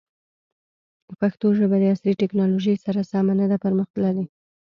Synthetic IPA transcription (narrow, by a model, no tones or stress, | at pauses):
əpaxt̪oʒəbad̪əasɾiʈeknɑloʒəjsaɾasɑmanad̪apəɾməxt̪laɾi